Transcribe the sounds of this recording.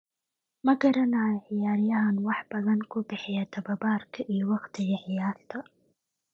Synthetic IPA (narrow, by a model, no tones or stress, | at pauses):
mɐɡɐɾɐnaːjħɪjaːɾjɐɦɐnwɑħb̥ɐðɐnkʰʊbɪħɪjɐt̪ʰɐbɐbaːrkʰɐʔijɔwɑqt̪ʰɪɣɐħɪjaːθt̪ʰɐ